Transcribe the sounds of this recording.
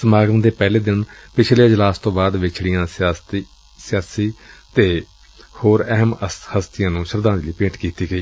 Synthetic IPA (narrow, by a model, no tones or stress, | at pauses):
səmaːɡəmd̪eːpɛːleːd̪ɪnpɪt͡ʃʰleːd͡ʒəlaːst̪õːbaːd̪ʋɪt͡ʃʰɽɪjãː | sɪjaːsiːt̪eː | hoːɾɛɦəmhəst̪ɪjãːnũːʃəɾd̪ãːnd͡ʒliːpẽːʈkiːt̪iːɡəiː